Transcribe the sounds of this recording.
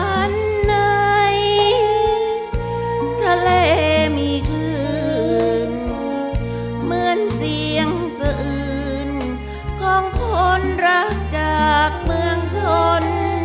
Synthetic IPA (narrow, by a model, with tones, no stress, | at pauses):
a˧˥nː | a˧j | t̪ʰa˧leː˧˩miː˧˥kʰlɯː˧ʔʔɯ˨˩n | mɯ˧˦ənsi˧əŋ | sa˧ʔɯː˩˧˩ | n | kʰɔː˧˥ŋkʰo˧˥nɾa˦˧˥k̚t͡ɕaː˨˩k̚mɯ˧əŋt͡ɕʰo˧n